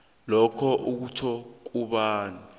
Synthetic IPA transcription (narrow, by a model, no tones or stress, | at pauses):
lɔkʰɔʔuk̬utʰɔk̬uɓaːni